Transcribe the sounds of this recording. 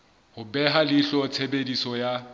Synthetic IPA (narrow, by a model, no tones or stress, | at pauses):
hʊbɛɦalɪɬɔt͡sʰebedisɔja